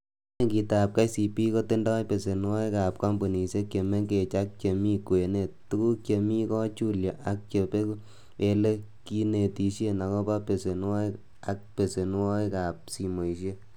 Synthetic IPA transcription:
ɲe˦ŋki˧ta˨p̚ka˦jsi˨pi˦ko˦te˦ndɔ˦jpe˨se˨nwɔ˦jka˨p̚ka˦mbo˨ni˨se˦kje˨me˦ŋɡe˨t͡ʃa˦k̚t͡ʃe˨mi˦kwe˨ne˦˨t̚ːu˦ku˦kt͡ʃe˧mi˦kɔ˦t͡ʃu˦lja˨ʔa˨k̚t͡ʃe˨˧pe˦ku˦ | e˧le˦ | ki˦ne˨ti˧ʃe˦na˨kɔ˦pa˦pe˨se˨n˦wɔ˦ | a˨k̚pe˨se˨n˦wɔ˦jka˨p̚si˨mo˨i˨ʃe˦

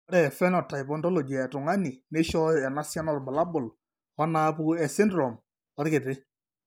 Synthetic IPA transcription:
ɾɛ˨fɛ˦nɔtːa˨jpɔntɔ˦lɔ˨d͡ʒi˨a˨ɛ˨tʊ˨ŋa˦ni˨ne˦ʃɔ˦ja˨na˦sja˦nɔ˦rba˨la˦bʊ˨l | ɔ˦na˦pu˦ɛ˨sɪ˦ndɾɔ˨m | ɔ˨ɾkɪ˨tɪ˦

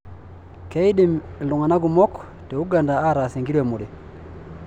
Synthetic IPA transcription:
ke˦i˦ɗi˨mlu˨ŋa˨na˦ɡu˨mɔ˦k | tɛ˨u˦ɡa˨nda˨a˦ɾa˨si˨ŋɡiɾwe˨mu˨ɗɛ˨

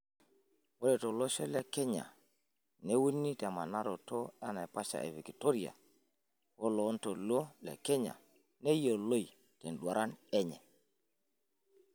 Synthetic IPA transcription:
wo˦lɛ˨to˨lo˦ʃɛ˦lɛ˨kɛ˦ɲa̰˨ | ne˦wu˦nːi˦tɛ˨ma˨na˦ɾo˨to˦a˦na˨jpa˦ʃa̰˨ʔḛ˨vi˨ki˨to˦ɾi˨a̰˨ | wo˦lo˨˦nto˨lo˦lɛ̰˨kɛ˦ɲa̰˨ | nɛ˦jo˨lo˦i˨ | te˨nɗwa˨ɾa˦nɛ˦ɲɛ˨

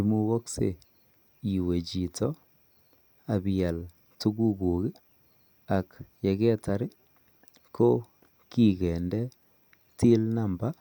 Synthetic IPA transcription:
i˨mu˦ɣɔ˦ksḛ˨ | i˨we˨t͡ʃi˨tʰɔ˦ | a˨bja˨l | tu˦ɡu˦ku˨ki˦ | a˨kje˨kɛ˦ta˨ɾɪ˦ | kʰo˦ | ki˦˨kɛ˨ndɛ˦ | ti˦lna˨mba˦

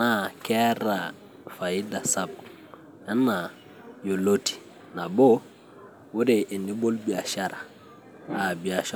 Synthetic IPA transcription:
na˨kɛ˦ɾa˨ | fa˨ji˦da˨sa˦b̚ | ɛ˦nːa˨ | jo˨lo˦ti̥˨ | na˨bo˦ | wu˦ɾe˨ʔi˨ni˦bo˦lbi˨a˨ʃa˦ɾa˨ | a˨bi˨a˨ʃa

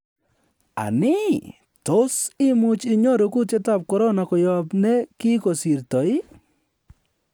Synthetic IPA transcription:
a̰˨nɪ˦ | to˦sɪ˦mʊ˦t͡ʃɪ˨ɲo˦ɾo˨ku˦te˦ta˦˨p̚kɔ˨ɾɔ˦na˨kɔ˨jɔ˨pne˦kɪ˦ko˨si˨ɾtɔ˨ɪ˦

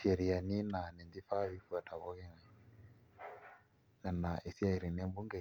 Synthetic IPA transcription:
ʃe˨ɾi˨a˨ni˦na˨nɛ˨nd̪i˦fa˦βi˦fu˦a˨tʰa˨βɔ˦ɣɛ˦ŋa˨ | nɛ˨na˨ʔe˨si˦a˦i˨ɾi˨nɛ˦mbu˦ŋɡe˨

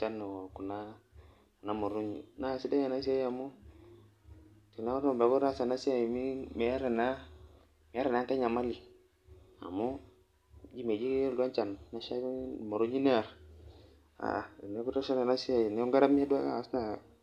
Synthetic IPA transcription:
t͡ʃa˦nːe˨wo˨ku˨na˦˨ | na˦mo˨ɾu˦ɲḭ˨na˦˨si˦da˦ja˨na˦s̬i˦a˦ji˦a˨mu˦ | ti˨na˦a˦tba˨ku˦ɾa˦sa˨na˦si˦ja˨ji˨mi˦me˨a˦ɾe˨na˦ | mi˨˦a˦ɾe˨na˦ŋka˦ɲa˨ma˦li˨ | a̰˨mu˦ | d͡ʒi˦me˨d͡ʒi˦du˦a˦nt͡ʃa˨nː˨a˦ʃa˦˨mo˨ɾu˦ɲi˦ne˦a˨ɾ | a̰˨ne˦ku˦ta˦ʃa˦n˨a˨na˦si˦a˨ji˨ne˦u˦ŋɡa˦ɾa˦mi˦a˦du˦a˦ka̰˦˨sna˨

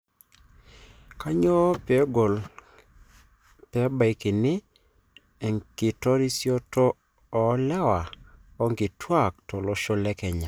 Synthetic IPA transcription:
ka˦ɲo˦pɛ˨ɡo˨l | pɛ˨˦ba˨i˨ki˨nɪ˦ | ɛ˨ŋkɪ˨tɔ˦ɾi˦sjɔ˦tɔː˦˨˦ | lɛ˦wa˨ɔ˦ŋɡɪ˨twa˦˨k̚tɔ˨lɔ˦ʃɔ˦lɛ˦kɛ˨ɲa˨

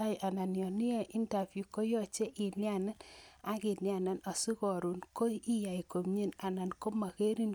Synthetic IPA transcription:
a˦jʔa˨na˨njɔ˨nɪ˦e˦ʔi˦nta˨fju˨ko˦jɔ˦t͡ʃe˦ʔɪ˨lja˦˨nɛ˦na˦kɪ˨lja˨nɛ˨nɔ˨si˦kɔ˨ɾu˨nko˦i˦ja˨i˨ko˨mɲe˦na˨na˨nko˦ma˨ke˦ɾi˦n

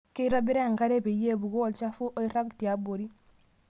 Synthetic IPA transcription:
ke˦ɾɔ˦bi˦ɾɛ˦˨ŋka˦ɾe˦pe˨je˦˨bu˨ɡo˦˨lt͡ʃa˦fu˦ʔo˦i˦ɾa˦ɡti˨a˨bo˨ɾi˦

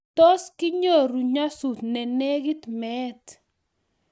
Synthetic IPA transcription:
tɔ˦skɪ˦ɲo˦˨ɾu˨ɲa˦su˨t̪nɛ˨nɛ˦ɡɪ˦t̪mɛ˦t

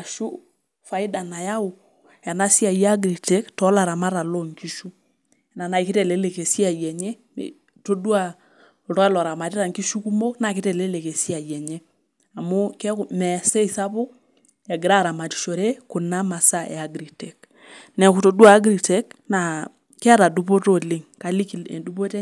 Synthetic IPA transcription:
a˨ʃu˦ | fa˨ɪ˦da˨na˨ja˦ʊ˨ | ja˨na˦si˦a˨ja˦ɡɾi˨tɛ˦ktɔ˨˦la˨ɾa˨ma˦ɾa˨lo˦˨ŋki˦ʃu˦ | na˨na˨i˨ke˦tɛ˨le˨˦le˨ke˨si˦a˨jɛ˨ɲḛ˦˨ | to˦dwa˦˨ | ɾɔ˦ɛ˦lɔ˨ɾa˨ma˨ti˦ɾa˨ŋki˦ʃu˦ku˦mo˦kna˨ke˦tɛ˨le˦le˨ke˨si˦a˨jɛ˨ɲe˦ | a˨mo˦kɛ˦kmɛ˨sɛ˦i˨sa˦po˦ | ɛ˨ɡɪ˨ɾa˦˨ɾa˨ma˨ti̥˨ʃo˨ɾe˦kʊ˨na˦ma˨sa˦ʔɛ̰˨a˨ɡɾi˨tɛ˨k | nɛ˨ku˨to˨dwaː˦˨˦ɡɾi˨tɛ˨˦k̚na˨ | kɛ˦a˦ɾa˨du˦po˦to˦˨lɪ˦ŋka˨˦li˦kḛ˨du˦po˦te˦

